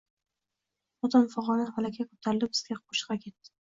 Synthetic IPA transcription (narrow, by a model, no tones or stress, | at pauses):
ɒt̪ʰɒmfɒʁɒnamalakʲʰakʰɵ̥t̪ʰaɾɪlɪbɪzɡʲaqʰoʃɨ̥qɑkʲʰe̞t̪ːɪ̥